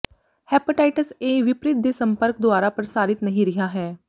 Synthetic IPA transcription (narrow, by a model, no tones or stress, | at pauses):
hɛːpəʈaːɪʈəseːʋɪpɾɪt̪̚d̪eːsə̃mpəɾk̚d̪ʊaːɾaːpɾəɾəsaːɾɪt̪nəɦĩːɾɪɦaːɦɛː